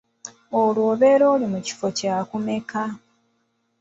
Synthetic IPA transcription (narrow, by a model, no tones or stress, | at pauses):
olwo̞ːβe̞ːɾo̞ːlimuci̥fo̞caːkume̞ka